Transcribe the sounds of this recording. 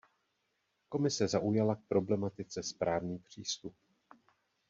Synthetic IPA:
ko̞mɪsɛzaʔujalak̚pɾo̞blɛmat̪ɪt͡sɛspɾaːvniːpr̝̥iːst̪up̚

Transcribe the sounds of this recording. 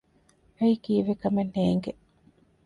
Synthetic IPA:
ɐikiːʋekɐmenheːŋɡe

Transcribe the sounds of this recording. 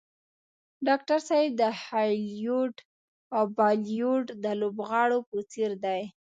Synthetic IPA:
ɖɑk̚ʈaɾsajɪb̚d̪əhɑjljoɖ | awbɑlijoɖd̪əlobɣɑɽopət͡seɾd̪aj

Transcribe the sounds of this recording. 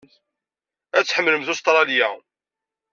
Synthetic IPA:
æt͡sːħəmːləmθust̪ɾˤɑljæ

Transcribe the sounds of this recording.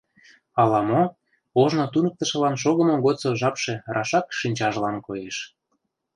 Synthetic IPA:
ɑlɑmo | oʒnot̪unək̚t̪ə̆ʃə̆lɑnʃ̬oɣə̆moɣot̪t͡soʒɑpʃerɑʃɑkʃinʲt͡ɕɑʒlɑnkojeʃ

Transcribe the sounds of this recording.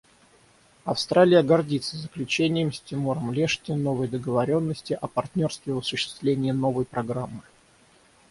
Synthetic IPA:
ɐfst̪ɾalʲɪjəɡɐrdʲit̪səzəklʲʉt͡ɕenʲɪjəmsʲtʲɪmoɾəmlʲeʂtʲɪno̞vəjd̪əɡəvɐɾʲo̞nːəsʲtʲɪʔɐpɐrt̪ʲnʲo̞rst̪vʲɪvəsʊɕːɪ̥st̪vlʲenʲɪjːno̞vəjpɾɐɡɾamːɨ

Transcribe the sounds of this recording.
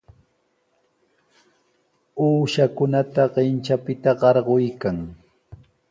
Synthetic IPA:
uːʃakʊnat̪aɢɪnt͡ʃapɪt̪aɢɑɾɢojkaŋ

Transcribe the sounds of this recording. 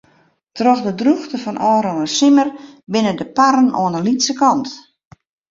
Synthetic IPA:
trɔxdədruxtəfɔnʔɔːɾɔnəsɪmərbɪnədəpaɾəno̰ənəlitsəkɔnt

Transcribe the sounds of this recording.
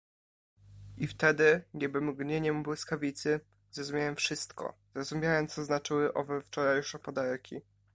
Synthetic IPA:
ʔift̪ɛd̪ɘɲʲɛbɘmɡɲeɲɛmbwɘskavʲit̪sɘ | zɾɔzumʲjawɛmfʂɘst̪kɔ̰zɾɔzumʲjawɛmt̪sɔznat͡ʂɘwɘʔɔvɛft͡ʂɔɾajʂɛpɔd̪aɾkʲi

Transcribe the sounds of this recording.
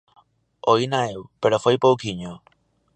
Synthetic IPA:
oinaewpeɾofejpowkiɲo

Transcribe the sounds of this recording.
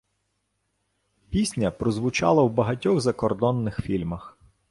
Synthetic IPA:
pʲisʲnʲɐpɾɔzʋʊt͡ʃɑ̰lˠɐwbɐɦɐtʲɔɣzɐkɔrd̪ɔnːɪxfʲilʲmɐx

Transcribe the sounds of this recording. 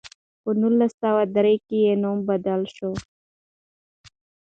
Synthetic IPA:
pənulːasːawad̪ɾekejenombad̪əlʃo

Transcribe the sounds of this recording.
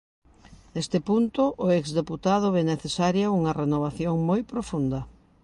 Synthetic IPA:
nest̪ɪpunt̪ʊʔʊɛkzðeput̪aðʊβeneθesaɾjɐuŋɐrenoβ̞aθjoŋmojpɾofund̪ɐ

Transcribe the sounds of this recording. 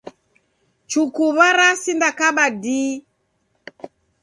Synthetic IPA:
t͡ʃukuβaɾasindakaɓadiː

